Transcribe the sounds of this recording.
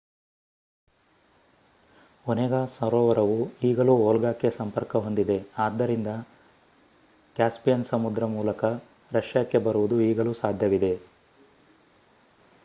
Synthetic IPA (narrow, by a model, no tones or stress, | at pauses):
oneɡasɐɾɔːʋɐɾɐʋuiːɡɐluːoːlɡaːkːe̞sɐmpɐɾkɐɦo̞nd̪id̪e̞aːd̪ːɐɾind̪ɐ | kjaːspijɐnsɐmud̪ɾɐmuːlɐkɐ | ɾɐʃjakːe̞bɐɾuʋud̪uiːɡɐluːsaːd̪ʱjɐʋid̪e̞